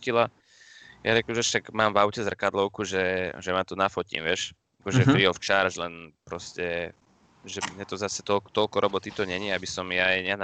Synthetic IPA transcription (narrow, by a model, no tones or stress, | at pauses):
cila | jaɾɛklʒɛʃt̪akmaːmvaʊcɛzr̩kad̪lɔʊkuʒɛʒɛmat̪ɔnafɔcḭmʋɛʃ | akɔʒɛpɾiɔʊft͡ʃaɾʒlɛnpɾɔscɛ | ʒɛmɲɛt̪ɔzasɛt̪ɔt̪ɔlkɔɾʔɔbɔt̪it̪ɔɲɛɲiabisɔmjajɲɛn